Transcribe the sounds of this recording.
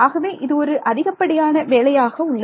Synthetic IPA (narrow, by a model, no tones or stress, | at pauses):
aːɣɐʋeːʔɪðɯɔɾɯʔɐðɪɣɐpːɐɽɪjaːnɐʋeːlɐjaːɣɐʊɭːɐ